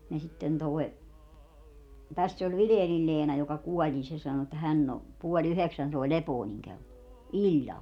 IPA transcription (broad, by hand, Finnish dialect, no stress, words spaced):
jɑ sitːen toi̯ tæsː olʲ ʋileːnil leːnɑ jokɑ kuɔlʲ nin se sɑno etːæ hænː o puolʲ yheksæn soˑi̯ lepoːniŋ kelːo ilʲːɑl